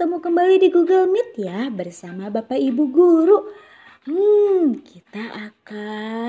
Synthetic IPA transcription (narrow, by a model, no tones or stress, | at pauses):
t̪əmukəmbalidiɡuɡəlmɪt̪̚jabərsamabapaibuɡuɾu | kit̪aʔaka